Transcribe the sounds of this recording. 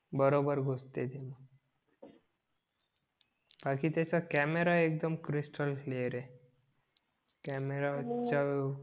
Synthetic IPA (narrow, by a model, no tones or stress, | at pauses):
bəɾobəɾɡʱost̪et̪emã | b̥akit̪esakɛmeɾaek̚d̪əmkɾisʈəlleɾe | kɛmeɾat͡ʃa